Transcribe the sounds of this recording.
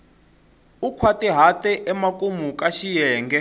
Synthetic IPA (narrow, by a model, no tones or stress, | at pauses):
ukʰwatʼɛɦatʼɛʔɛmakʼumukʼaʃijɛːŋɡɛ